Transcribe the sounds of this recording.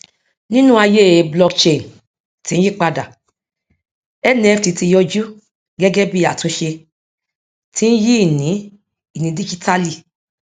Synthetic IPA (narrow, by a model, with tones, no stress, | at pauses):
nĩ˦nũ˦a˧je˦˨˧blɔ˦kt͡ʃe˧˨n | tĩ˨˦n̩˦ji˦˨k͡pa˧da˨ | ɛ˦nĩ˧˦ɛ˧fti˧ti˧jɔ˧d͡ʒu˦ | ɡɛ˦ɡɛ˦bi˦a˨to˨˦ʃe˧ | tĩ˦n̩˦ji˦i˦˨nĩ˨˦ | i˦˨nĩ˧˦di˦d͡ʒi˦tʰa˦li˦˨